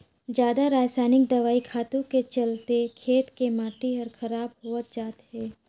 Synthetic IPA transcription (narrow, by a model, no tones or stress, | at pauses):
d͡ʒjaːd̪aɾaːsaːnɪkd̪ɐʋaːikʰaːt̪õket͡ʃɐlt̪ekʰeːt̪kemaːʈiɦɐɾkʰɐɾaːbɦoət̪̚d͡ʒaːt̪ɦɛː